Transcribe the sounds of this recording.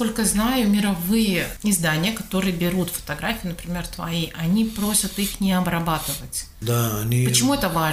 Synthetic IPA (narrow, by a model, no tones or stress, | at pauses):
ko̞lʲkəznajʊmʲɪɾɐvɨjəɪzd̪anʲɪjəkɐt̪o̞ɾɨjəbʲɪɾut̪fə̥t̪ɐɡɾafʲɪjʊnəpɾʲɪmʲert̪vɐ̰iʔɐnʲipɾo̞sʲət̪ixnʲɪɐbɾɐbat̪ɨvətʲ | d̪aɐnʲipət͡ɕɪmuɛt̪əva